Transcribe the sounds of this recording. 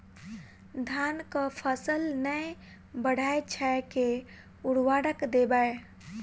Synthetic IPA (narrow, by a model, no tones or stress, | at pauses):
d̪ʱankəpʰəsəlnəe | bəɽ̤ʱaet͡ʃʰɛke | uɽwaɽəkd̪ebəe